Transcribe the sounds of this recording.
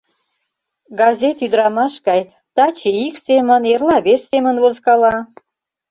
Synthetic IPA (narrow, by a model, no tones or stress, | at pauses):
ɡɑzʲet̪yd̪ɾɑmɑʃɡɑj | t̪ɑt͡ɕeiksemənerlɑβesːemənβozkɑlɑ